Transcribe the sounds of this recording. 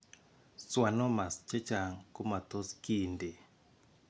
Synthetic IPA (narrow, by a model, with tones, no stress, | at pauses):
swa˨nɔ˦ma˨st͡ʃɛ˦t͡ʃa˨ŋku˦ma˨t̪o˦ski˦˨nde˨